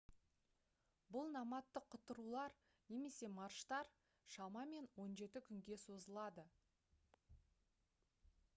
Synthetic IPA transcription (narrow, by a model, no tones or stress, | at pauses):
bʊlˠnɑmɑt̪ːəqʰːʊt̪ːəɾulˠɑɾ | ne̞me̞se̞mɑɾʃt̪ɑɾ | ʃɑmɑme̞nwo̞nʒe̞t̪ɪkʲʰʏŋɡʲe̞so̞zəlˠɑd̪ə